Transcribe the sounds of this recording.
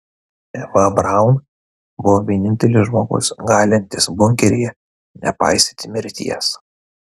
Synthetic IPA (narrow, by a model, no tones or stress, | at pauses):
ɛʋɐbɾaʊn | bʊʋoːʋʲiɛnʲɪnʲt̪ʲɛlʲɪʒmoːɡʊ̰sɡɑːlʲɪnʲt̪ʲɪsbʊŋʲkʲɛɾʲɪjɛ | nʲɛ̰pɑ̰ɪsʲt̪ʲɪt̪ʲɪmʲɪɾʲt̪ʲḭjɛs